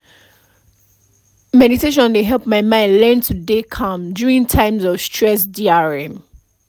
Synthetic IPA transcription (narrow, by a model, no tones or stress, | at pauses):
mɛɾiteʃ̬ɔ̃nleɦɛlˠpmaɪmãɪ̃ndlɛ̃ntʰudekʰãmdjuɹĩŋtʰãɪ̃mzɔv̥stʰɹɛs̬diaɹɛ̃m